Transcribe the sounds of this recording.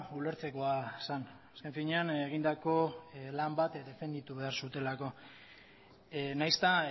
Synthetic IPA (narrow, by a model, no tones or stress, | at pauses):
ule̞ɾt͡se̞ko̞asan | aske̞ɱfiɲe̞aneɣ̞ind̪ako̞lambat̪d̪e̞fe̞nd̪it̪uβe̞aɾsut̪e̞lako̞ | najst̪a